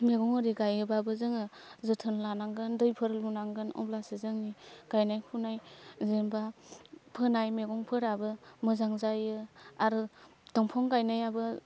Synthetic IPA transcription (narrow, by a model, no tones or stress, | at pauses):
meɡɔŋɯɾiɡajɯbabɯzɯŋɯ | zɯtʰɯnlanaŋɡɯndɯjpʰɯɾlunaŋɡɯnɔ̰blasezɯŋniɡ̥ajnajkʰunajzenbapʰɯnajmeɡɔŋpʰɯɾabɯmɯzaŋzajɯaɾɯd̥ɔŋpʰɔŋɡajnajabɯ